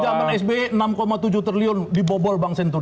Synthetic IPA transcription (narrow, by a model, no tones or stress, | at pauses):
d͡ʒamanɛsbeənamkomat̪ud͡ʒut̪ɾiliʊndibɔbɔlbaŋsɛnt̪u